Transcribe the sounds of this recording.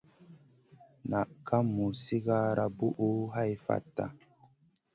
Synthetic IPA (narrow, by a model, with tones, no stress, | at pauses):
na˨ʔka˦mːu˨si˦ɡaː˦ɾa˨bu˦ʔu˦ɦa˦˨jfa̰˨tːa̰˨